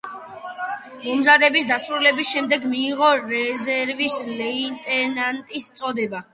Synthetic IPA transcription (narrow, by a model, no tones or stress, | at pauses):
mɔmzad̪ɛbisd̪asɾulɛbisʃɛmd̪ɛɡmiːʁɔɾɛzɛɾvislɛint̪ʼɛnant̪ʼist̪sʼɔd̪ɛba